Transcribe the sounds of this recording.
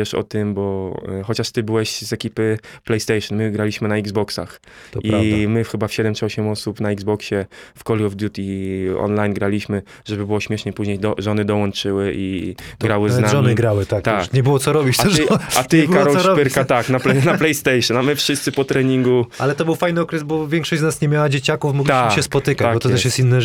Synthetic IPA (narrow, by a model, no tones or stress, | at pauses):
ɛʂɔ̰t̪ɪmbɔxɔt͡ɕaʂt̪ɘbɘwɛɕzɛkʲipɘ | plɛjst̪ɛjʂɔnmɘɡɾalʲiɕmɘnaiɡzbɔksa̰x | t̪ɔʔimɘxɘbafɕɛd̪ɛmtt͡ʂɨɔɕɛmɔsupnaiɡzbɔkɕɛfkɔlʲiɔvd̪jut̪iɔ̰nlajnɡɾalʲiɕmɘ | ʐɛbɘbɘwɔɕmʲjɛʂɲɛpuʑɲejd̪ɔʐɔnɘd̪ɔwɔnt͡ʂɘwɘʔḭɡɡɾawɘznamʒɔnɪɡɾawɘt̪akt̪akɲɛbɨwɔt̪sɔɾɔbʲit͡ɕɛat̪ibkaɾɔlɾɔpʲɛɾkat̪aknaplɛnaplɛjst̪ɛjʂɨnamɘfʂɘst̪sɘpɔt̪ɾɛɲiŋɡualɛt̪ɔbɘwfajnɨɔkɾɛzbɔvʲjɛŋkʂɔɕd͡ʑznasɲɛmʲjawad͡ʑet͡ɕakufmɔɡlt̪iaʃmɕɛspɔt̪ɘkat͡ɕ̪akbɔt̪ɔt̪ɛsʃjɛst̪inːɛ